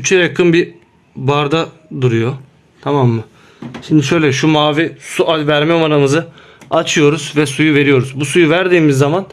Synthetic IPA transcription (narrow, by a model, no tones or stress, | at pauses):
yt͡ʃʰɛjjakʰɯnbi | baɾd̪a | d̪uɾujo̞ | t̪ʰamamːɯ | ʃimd̪iʃø̞jlʲɛʃumaːvisuʔavæɾmɛmanamɯzɯ | at͡ʃʰɯjo̞ɾuz̥vɛsujuve̞ɾijo̞ɾuzbusujuvæɾd̪iːmizːaman